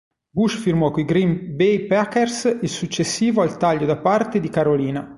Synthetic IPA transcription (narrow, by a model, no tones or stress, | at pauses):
buʃfirmɔkoiɡɾimbejpakːersilsut͡ʃːesːiːvoalt̪aʎːod̪apart̪ed̪ikaɾoliːna